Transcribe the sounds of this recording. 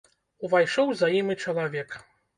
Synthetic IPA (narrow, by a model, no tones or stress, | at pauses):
uvajʂɔwzajimɨt͡ʂɐlˠavʲɛk